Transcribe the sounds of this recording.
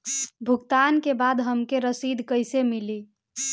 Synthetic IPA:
bʱuɡt̪ankebad̪ɦəmkeɾəsid̪ʱkəjsemili

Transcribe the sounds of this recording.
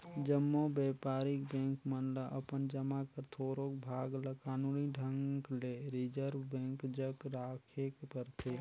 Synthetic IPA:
d͡ʒəmːobɛpaːɾik̚bɛ̃ŋkmənləʔəpənd͡ʒəmakəɾt̪ʰoɾokbʱaːɡləkaːnuniɖʱəŋkleɾid͡ʒəɾbɛ̃ŋkd͡ʒəkɾakʰekpəɾt̪ʰe

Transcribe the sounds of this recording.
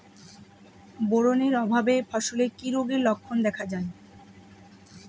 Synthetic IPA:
boɾoneɾɔbʱabefaʃolekiɾoɡeɾlɔkʰːond̪ɛkʰad͡ʑae

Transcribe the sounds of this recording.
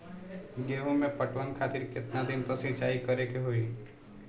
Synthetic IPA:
ɡeːɦõmẽpəʈwənkʰaːt̪iɾkɪt̪nad̪ɪnt̪osɪt͡ʃaːikəɾekeɦoiː

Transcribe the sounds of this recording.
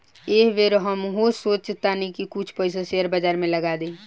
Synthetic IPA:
eɦʋeɾɦəmɦosot͡ʃt̪ːanikikut͡ʃʰpəɪs̬aseəɾbəd͡ʒaɾmẽləɡad̪e

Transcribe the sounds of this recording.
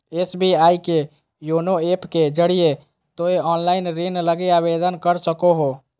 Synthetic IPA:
esbʱiajke | jonoepked͡ʒəɽije | t̪oeɔnlaɪnɾenləɡeabed̪ənkəɾsəkoɦo

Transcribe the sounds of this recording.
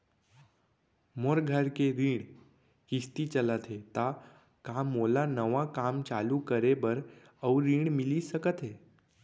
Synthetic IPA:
moɾɡʱəɾkeɾiːɽ̃ | kist̪it͡ʃələt̪ɦet̪a | kamolanəʋãkamt͡ʃalukəɾebəɾ | əwɾiɳ̃milisəkət̪ɦe

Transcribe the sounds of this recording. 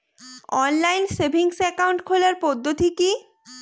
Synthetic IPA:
ɔnlajnsebʱiŋsɛkawɳʈkʰolaɾpod̪ʱːot̪iki

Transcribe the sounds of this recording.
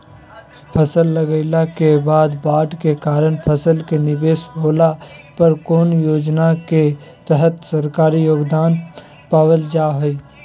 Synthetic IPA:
pʰəsəlːəɡəɪlakebaːd̪baːʈkekaːɾəɳpʰəsəlkenɪbeːsɦoːlapəɾkoːnjoːd͡ʒnake | t̪əɦət̪səɾkaːɾijoːɡd̪aːn | paːwəld͡ʒaːɦoːi

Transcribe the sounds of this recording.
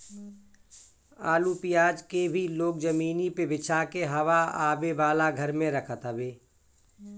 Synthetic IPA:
aːlupɪjaːd͡ʒkebʱiloːkzəmiːnipebɪt͡ʃʰaːkeɦɐʋaaːbeʋaːlaɡʱəɾmẽɾəkʰət̪əbeː

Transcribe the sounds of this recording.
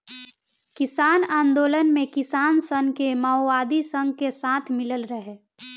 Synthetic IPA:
kɪsaːnaːnd̪oːlənmẽkɪsaːnsə̃ŋɡkemaʊwaːd̪isə̃ŋɡ̚kesaːt̪ʰmɪləlɾəɦeː

